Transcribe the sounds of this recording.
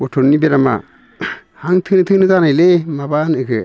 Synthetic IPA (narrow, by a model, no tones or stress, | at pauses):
ɔtʰonnːibeɾama̰ | haŋtʰɯnɯtʰɯnɯzanajlemabanɯɡɯ